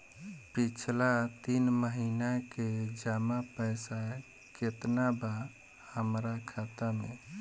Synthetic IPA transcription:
pit͡ʃʰlat̪inməɦinaked͡ʒamapəɪsa | ket̪naba | həmɾakʰat̪ame

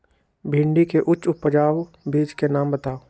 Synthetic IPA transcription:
bʱɪ̃ɳɖikeʔʊt͡ʃʊpəd͡ʒaːʋ | biːd͡ʒkenaːmbət̪aːo

